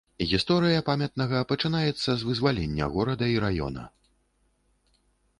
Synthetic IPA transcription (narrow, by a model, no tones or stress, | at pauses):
ɣʲist̪ɔɾɨjɐpamʲɐt̪nɐɣɐpɐt͡ʂɨnajɛt̪sːɐzvɨzvalʲɛnʲːɐ̰ɣɔɾɐd̪ɐiɾajɔ̰nɐ̰